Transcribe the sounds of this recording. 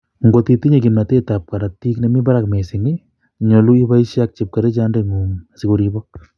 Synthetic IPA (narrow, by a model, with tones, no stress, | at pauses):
ŋɡo˨ti˧ti˦ɲe˨ki˨ma˨te˦ta˨p̚ka˨ɾa˨tːi˦kne˨mi˦ba˦ɾa˨kme˨sɪ˨ŋi˦ | ɲo˨lu˦i˦ba˦iʃja˦k̚t͡ʃip̚ka˨ɾe˦t͡ʃa˦nde˨ŋu˨masikoɾibɔ˦